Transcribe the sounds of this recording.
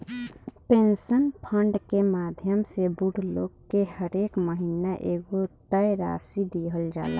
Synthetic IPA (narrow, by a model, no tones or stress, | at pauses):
pensənpʰəɳɖkemaːd̪ʱjəmsebuɽlo̰ːɡkehəɾeːkməɦinaʔeɡot̪əjɾa̰ːsid̪iɦəld͡ʒa̰ːla̰